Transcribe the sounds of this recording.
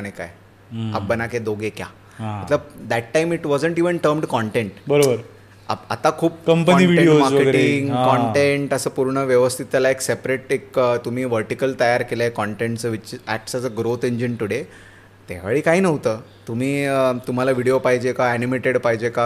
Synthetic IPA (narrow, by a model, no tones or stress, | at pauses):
aneka̰j | a̰bənaked̪oɡekja̰ | ɦãmət̪ləd̪æʈːaimiʈʋɔd͡zəɳʈiʋəɳʈəɾmɖkɔɳʈeɳʈbəɾobəɾ | a̰a̰t̪akʰuːp̚kəmpəɔniʋieɽiomaɾʋkəeʈiŋɡkɔɳʈeɳʈəsəːpuɾɳəʋjəʋəst̪ʰit̪alaeksepɾeʈekət̪um̤iːʋəɾʈikəlt̪əjaɾkelakɔɳʈeɳʈt͡səʋiiæ̰ʈsat͡səɡɾot̪eɲd͡ʑint̪uɽe | t̪a̰ʋ̤aɭiːkaɦiːnəʋt̪əː | t̪um̤iːt̪um̤alaʋiɽiopaɦid͡ʑekaænimeʈeɽpaɦd͡ʑeka